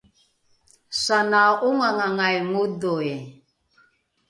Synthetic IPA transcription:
sanaʔuŋaŋaŋajŋudɔe

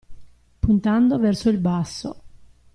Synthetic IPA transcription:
punt̪and̪ovɛrsoilbasːo̰

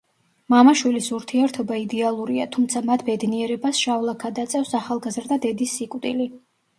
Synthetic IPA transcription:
mamaʃwilisuɾt̪ʰiɛɾt̪ʰɔbaid̪ɛalˠuɾia̰t̪ʰumt̪sʰamat̪ʰb̥ɛd̪niɛɾɛbasʃavlˠakʰad̪at̪sʼɛfsaχalˠɡazɾd̪ad̪ɛd̪isːikʼwd̪ili

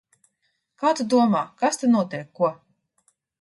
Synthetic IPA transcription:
kaːt̪ud̪uɔmaːkast̪anuɔt̪ʲɛjkːuɔ

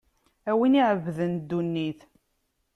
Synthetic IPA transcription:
æwiniʕəvːəðənd̪ːunːiθ

